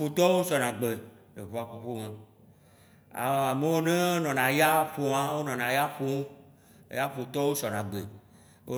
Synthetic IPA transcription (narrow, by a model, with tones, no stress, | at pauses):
o˨t̪ɔ˦wo˦sɔ˨nã˨ɡ͡be˨ | e˨βo˨˦a˨ɸo˨ɸo˦mẽ˨ | a̰˨a˨me˦wo˦ne˦o˦nɔ̃˨nã˨ja˦ɸo˨ã˦wo˦nɔ̃˨nã˨ja˦ɸo˦o̰˦ | ja˦ɸo˨t̪ɔ˦wo˦sɔ˨nã˨ɡ͡bḛ˨ | o˦